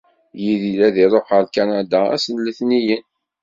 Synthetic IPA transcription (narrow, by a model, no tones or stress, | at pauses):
jiðilæðiɾˤoħəlkanad̪aæ̰sənləθnijən